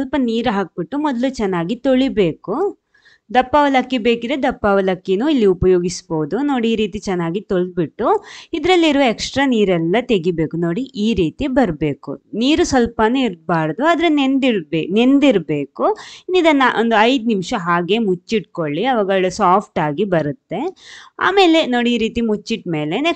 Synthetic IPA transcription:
sʋɐlpɐniːɾɦaːk̚biʈːumɔd̪ɐlut͡ʃɛnːaːɡit̪oɭibe̞ːku | d̪ɐpːɐʋɐlɐkːibe̞ːkid̪ɾed̪ɐpːɐʋɐlɐkːinuːilːiupɐjoːɡisboːud̪uno̞ːɽiiːɾiːt̪it͡ʃɛnːaːɡit̪oɭd̪̚biʈːuid̪ɾɐlːiɾuʋɐeksʈɾaːniːɾɛlːɐt̪e̞ɡibe̞ːkuno̞ːɽiʔiːɾiːt̪ibɐɾbe̞ːkṵniːɾusʋɐlpɐnuiɾbaːɽɐd̪uaːd̪ɐɾenend̪iɾbene̞nd̪iɾbe̞ːkuinːid̪ɐnːɐʔond̪uɐjd̪nimʂɐɦaːɡe̞mut͡ʃːiʈ̚ko̞ɭːiɐʋaːɡɐɭɐsaːpʰʈaːɡibɐɾut̪ːe̞a̰ːme̞ːle̞no̞ːɽiiːɾiːt̪imut͡ʃːiʈme̞ːle̞ne

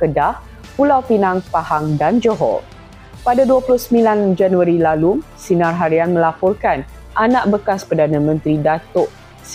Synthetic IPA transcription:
kədah | pulawfinãŋpahaŋdand͡ʒoɦɔ̰ | padaduaplʊhsəmĩland͡ʒanuaɾilalu | sinãrɦaɾianmə̃lapɔrkan | ʔanãʔ̚bəkaspərdanãmə̃nt̪ɾidat̪ɔʔ | s

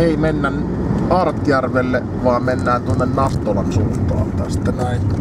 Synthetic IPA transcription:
eˑimenːæn | ʔɑrt̪jærʋelːe | ʋɑˑːmmenːæːnt̪uonːennɑt̪ːolɑnsuːnt̪ˑɑ̰ːɑlt̪æst̪ːænæˑin

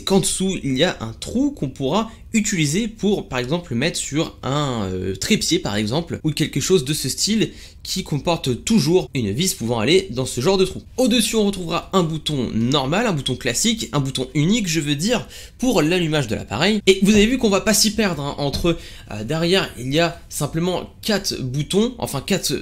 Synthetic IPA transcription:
kɑ̃d̪əsuiliaʔɛ̰̃t̪χukʰɔ̃puʁa | yt̪ilizepʰuʁpaʁɛɡzɑ̃pləmɛt̪χəsyʁɛ̃ø̰t̪χepjepaʁɛɡzɑ̃plukʲɛlkəʃozd̪əsəst̪il | kʲʰikɔ̃pɔʁt̪t̪uʒuʁynvispuvɑ̃aled̪ɑ̃səʒɑ̃ʁd̪ət̪χuod̪əsyɔ̃ʁət̪χuvʁaɛ̃but̪ɔ̃nɔʁmalɛ̃but̪ɔ̃klasikɛ̃but̪ɔ̃ynikʒəvød̪iʁ | puʁlalymaʒd̪əla̰pa̰ʁɛjevuzavevykɔ̃vapasipɛʁd̪ʁɛ̃ʔɑ̃t̪χə | ø̰d̪ɛʁjɛʁḭliasɛ̃pləmɑ̃kat̪but̪ɔ̃ʔɑ̰̃fɛ̃kʲat̪

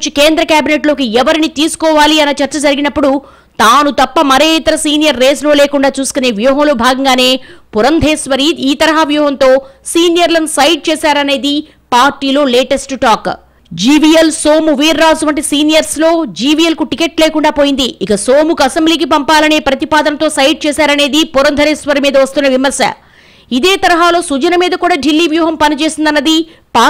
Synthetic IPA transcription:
t͡ʃikeːnd̪ɾɐkjaːbineʈlo̞ːkiɛʋɐɾinit̪iːsu̥kɔːʋaːliɐnːɐt͡ʃɐɾt͡ʃɐd͡ʒɐɾiɡinɐpːuɽu | t̪aːnut̪ɐpːɐmɐɾeːit̪ɐɾɐsiːnijɐɾːeːslo̞ːleːkuɳɖaːt͡ʃuːsu̥kuneːʋjuːɦɐmlo̞ːbʱaːɡɐŋɡaːne̞ːpuɾɐnd̪ʱeːsʋɐɾiːd̪iːt̪ɐɾɐɦaʋjuːɦɐnt̪o̞ːsiːnijɐɾlɐnusɐjɖ̚t͡ʃeːsaːɾɐne̞ːd̪i | paːɾʈiːlo̞ːleːʈesʈʈaːk | d͡ʒiːʋijelsoːmuʋiːɾːaːzuʋɐɳʈisiːnijɐɾslo̞ːd͡ʒiːʋijelkuʈikeʈleːkuɳɖaːpoːjind̪iːkɐsoːmukɐsembliːk̬ipɐmpaːlɐne̞ːpɾɐt̪ipaːd̪ɐnɐt̪o̞ːsɐjɖ̚t͡ʃɛːsaːɾɐne̞ːd̪ipuɾɐnd̪ʱɐɾeːsʋɐɾimiːd̪ɐʋɐst̪unːɐʋimɐɾsɐ̰ | id̪eːt̪ɐɾɐɦaːlo̞ːsud͡ʒɐnɐmiːd̪ɐkuːɽaːɖilːiːʋjuːɦɐmpɐnit͡ʃe̞ːsind̪ɐnːɐd̪i | paː

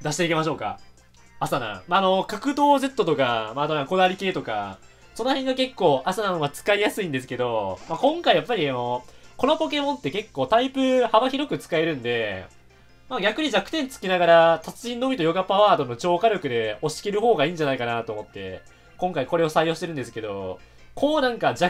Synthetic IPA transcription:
d̪aɕi̥t̪e̞ike̞maɕ̬o̞ːka̰ | asanã̰maːno̞kakɯ̟d̪o̞ːze̞t̪ːo̞t̪o̞kamaːd̪onãko̞d̪aɾʲike̞ːt̪o̞ka̰ | so̞no̞hẽŋɡake̞kːo̞ːʔasanano̞ɡat͡sɨ̥kaijasɨĩnd̪esɨ̥ke̞d̪o̞makõ̞ŋkaijapːaɾʲiano̞ko̞no̞po̞ke̞mõ̞nt̪ːe̞ke̞kːo̞ːt̪aipɯ̟habaçiɾo̞kɯ̟t͡sɨ̥kae̞ɾɯ̟̃nd̪e̞ | maːɡʲakɯ̟ɲ̟id͡ʑakɯ̟t̪ẽnt͡sɨ̥kʲinaɡaɾat̪at͡sɨĩnːo̞bʲit̪ojo̞ɡapaaːd̪o̞no̞t͡ɕo̞ːkaɾʲokɯ̟d̪e̞o̞ɕi̥ke̞ɾɯ̟ɦo̞ːɡaiːɲ̟d͡ʑanaikanat̪o̞ːmo̞t̪ːe̞̰ | kõŋkaiko̞ɾe̞o̞saijo̞ːɕit̪e̞ɾɯ̟nd̪e̞sɨ̥ke̞d̪o̞̰ | kʰo̞ːnãŋkad͡ʑa

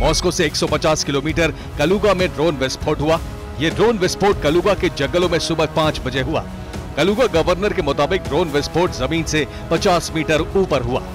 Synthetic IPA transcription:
mɔːskoseːksɔpɐt͡ʃaːskɪloːmiːʈəɾ | kɐluːɡamẽɖɾoːnʋespʰoːʈɦʊaː | jeːɖɾoːnʋespʰoːʈ̚kɐluːɡaked͡ʒɐɡəlõmẽsʊbəpãːt͡ʃbɐd͡ʒeɦʊa̰ː | kɐluːɡaɡɐʋəɾnəɾkemʊt̪aːbɪk̚ɖɾoːnʋesʈpʰoːɾʈzɐmiːnse | pɐt͡ʃaːsmiːʈəɾuːpəɾɦʊa̰ː

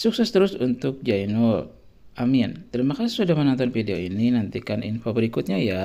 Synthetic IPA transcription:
suksɛst̪əɾʊsunt̪ʊk̚d͡ʒaino | amia̰nt̪əɾimakassudahmənɔnt̪ɔnfideoininant̪ikanḭnfobəɾikut̪̚ɲaja

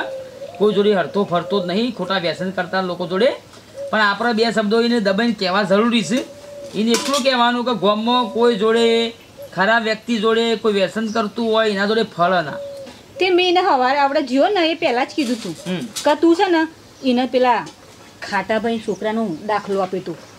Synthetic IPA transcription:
kojd͡ʒoɽeɦəɾt̪opʰəɾt̪onəɦĩkʰoʈaʋɛsənkəɾt̪alokod͡ʒoɽe | pəɳapɾabjasəbd̪oined̪əbənkɛʋad͡ʒəɾuɾisineklũk̬ɛʋanũkeɡɔmːəkojd͡ʒoɽe | kʰəɾabʋjək̚t̪id͡ʒoɽekoiʋɛsənk̬əɾt̪ũɦɔjinad͡ʒoɽepʰəɭna̰ | t̪emẽineɦəʋaɾapɽad͡ʒionəepɛlat͡ʃkid̪ʱũt̪ʰũkət̪ũt͡ʃʰənə | inəpɛla | kʰaʈabʱaiʃokɾanũd̪akʰloapet̪ũ

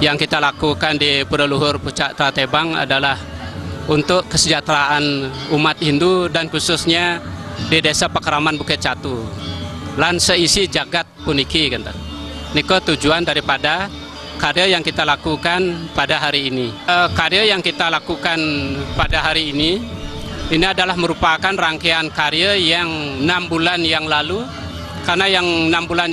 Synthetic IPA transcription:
jaŋkit̪alakukandipuɾəluɦʊrput͡ʃaʔt̪ɾat̪ebaŋa̰dalahunt̪ʊkkːəsəd͡ʒat̪ɾaʔanumat̪indudankusʊsɲadidasapəkəɾamanbukɪt̪̚t͡ʃat̪u | lansəisid͡ʒaɡat̪̚punikikant̪a | nikot̪ud͡ʒuandaɾipada | kaɾiəjaŋkit̪alakukanpadaɦaɾiːniəkaɾiəjaŋkit̪alakukanpadaɦaɾiːni | iniadalahməɾupakanraŋkeankaɾiəjaŋnambulanjaŋlalu | karnajaŋnambulan

